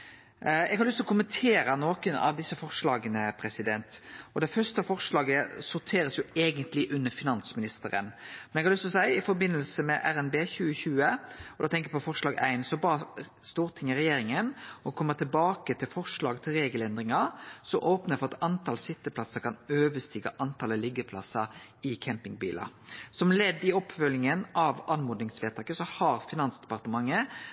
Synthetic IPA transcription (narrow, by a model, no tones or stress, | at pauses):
ɛɡhɑɾlʏst̪lɔkʰʊmənt̪ʰeːɾənoːkənɑ̰ʋd̪ɪsːəfɔʁʂɭɑːɡənəpʰɾɛsɪd̪ɛnt̪ɔd̪ɛɪfœɾst̪əɑfɔɾʂlɑːɡəsʊɾt̪ʰeːɾəsjʊeːɡənt̪lɪʔʉnːəfɪnɑnsmɪnɪst̪əɾə̰nmɛnɛɡhɑɾlʏst̪lɔsæɪɪfɔɾbɪnːəlsəmɛʔæɾɛnbeːçʉːəçʉːəɔd̪oːt̪ʰɛŋkəɛpɔfɔʂlɑːɡæ̰ɪnsɔbɑə | st̪uːʁt̪ʰɪŋːəɾɛjeːɾɪŋənɔkʰɔmːət̪ʰɪlbɑːkət̪ʰɪlfɔʁʂɭɑːɡt̪ʰɪlɾeːɡəlɛnd̪ɾɪŋɑɾsɔʔoːpnəfɔʁɑt̪ɑnt̪ʰɑːlsɪt̪ːəpʰlɑsəkʰɑnøːʋəst̪iːɡɑʔɑnt̪ʰɑːləlɪɡəpʰlɑ̰səɾɪkʰæmpɪŋbḭːlʔɑ̰sɔmlɛd̪ːɪɔpːfœlɪŋənʔɑʋɑnmuːd̪ɪŋsʋeːt̪ʰɑːkəsɔhɑɾfɪnɑnsd̪ɛ̥pɑʁt̪əmɑŋːə